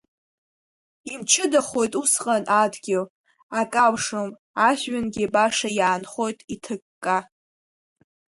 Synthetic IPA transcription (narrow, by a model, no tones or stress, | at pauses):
imt͡ʃʰɨdaχo̞jtʼusqʼanʔadɡʲɪl | akʼawʂom | aʃɥanɡʲibaʂajaːnχo̞jtʼitʰɨkʼːa